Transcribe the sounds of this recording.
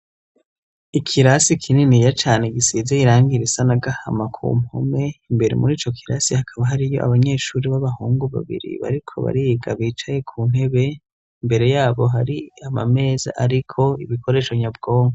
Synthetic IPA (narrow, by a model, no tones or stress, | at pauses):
ikʰiɾasikʰininijat͡ʃaːneɡisizeiɾaːŋɡiɾisanaɡaha̰makʰṵːmho̰me̞imbe̞ɾḛmuɾiːt͡ʃo̞kʰiɾasihakʰaβaɦaɾijo̞ʔa̰βaɲe̞ːʃuːɾiβaβahuːŋɡuβa̰βḭɾḭβa̰ɾikʰo̞̰βa̰ɾiɡaβiːt͡ʃaje̞kʰuːn̥he̞βe̞ | imbe̞ɾe̞jaːβo̞ɦaɾiama̰me̞ːza̰ʔaɾikʰo̞iβikʰo̞ɾe̞ːʃoɲab̚ɡo̞ːŋɡa